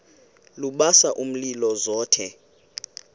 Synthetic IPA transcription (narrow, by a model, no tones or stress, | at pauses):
luɓasaʔum̩lilɔzɔːtʰɛ